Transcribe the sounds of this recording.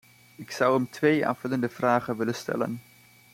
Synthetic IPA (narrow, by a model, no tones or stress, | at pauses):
ɪksʌwəmtʋeja̰ːv̥ɵləndəvraːχənʋɪlənstɛ̰lə̰n